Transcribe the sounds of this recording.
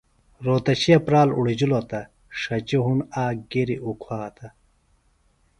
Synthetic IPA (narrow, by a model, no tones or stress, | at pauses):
ɾoːt̪ɐɕiɐpɾaːluɽid͡ʑulot̪ɐ | ʂɐt͡ɕiɦunaːɡeɾiʔukʰwaːt̪ʰɐ